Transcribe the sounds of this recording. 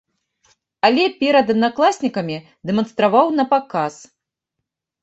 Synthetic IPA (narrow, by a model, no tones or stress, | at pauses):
ɐlʲɛpʲɛɾɐd̪ɐd̪naklˠasʲnʲikɐmʲi | d̪ɛmɐnst̪ɾavawnɐpakas